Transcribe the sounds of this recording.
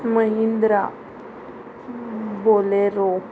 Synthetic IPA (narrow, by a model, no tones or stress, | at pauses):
məɦind̪ɾa | boleɾo